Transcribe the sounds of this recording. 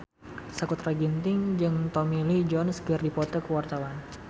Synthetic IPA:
sakut̪ɾaɡint̪ɪŋd͡ʒɨŋt̪ɔmilid͡ʒɔnsɡərdipɔt̪ɔkəwart̪awan

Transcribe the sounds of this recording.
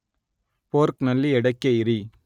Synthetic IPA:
poːɾknɐlːiɛɽɐɪkːɐɪɾi

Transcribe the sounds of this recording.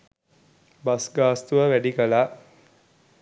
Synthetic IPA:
basɡaːst̪uʋəʋæɖikəlaː

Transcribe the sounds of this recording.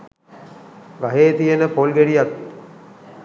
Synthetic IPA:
ɡaɦeːt̪ijənəpolɡeɽijak̪

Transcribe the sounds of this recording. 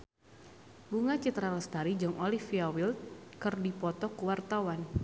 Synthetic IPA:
buŋat͡ʃit̪ɾaləst̪aɾid͡ʒɔŋʔolifiawilt̪̚kɨrdipɔt̪ɔkuwart̪awan

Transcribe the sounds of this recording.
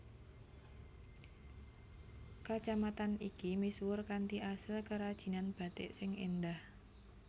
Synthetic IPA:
kat͡ʃamat̪anikimiswʊrkant̪iʔasəlkəɾad̥ʒ̥i̤nanb̥ä̤t̪ɪʔsɪŋend̪ah

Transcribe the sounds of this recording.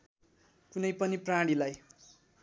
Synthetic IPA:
kunʌjpʌniprãɽilaj

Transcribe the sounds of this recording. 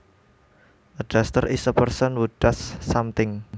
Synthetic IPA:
ʔəd̥ast̪ərʔisəpərsənwud̥asːamt̪ɪŋ

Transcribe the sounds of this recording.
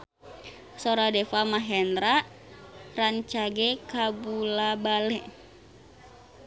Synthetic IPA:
soɾadɛfamaɦɛndɾaʔ | raɲt͡ʃaɡɛkabulabalɛ

